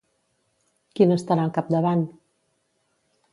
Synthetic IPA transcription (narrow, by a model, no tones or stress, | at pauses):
kinəst̪aɾaŋkap̚d̪əβan